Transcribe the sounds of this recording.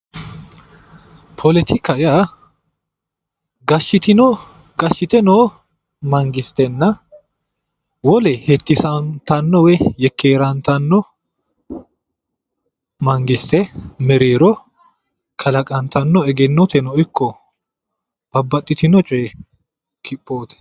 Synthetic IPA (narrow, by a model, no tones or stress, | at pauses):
pʰɔlɛt̪ɪkːɐja | ɡɐʃːɪt̪ɪnɔ | ɡɐʃːɪt̪ɛnoː | mɐŋɡɪst̪ɛnːɐ | wɔlɛhɛt̪ːɪsɐnt̪ɐnːɔwɛjɛkʰːeːɾɐnt̪ɐnːɔ | mɐŋɡɪst̪ɛmɛɾeːɾɔ | kʰɐlɐkʼɐnt̪ɐnːɔɛɡɛnːɔt̪ɛnɔɪkːɔ | b̥ɐbːɐt̪ʼːɪt̪ɪnɔt͡ʃʼeː | kʰɪpʼːo̞ːt̪ɛ̥